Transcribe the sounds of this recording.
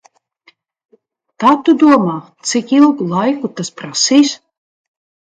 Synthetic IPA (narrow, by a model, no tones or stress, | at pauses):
t̪aːt̪ud̪uɔmaːt̪sikilˠɡulˠajkut̪aspɾasiːs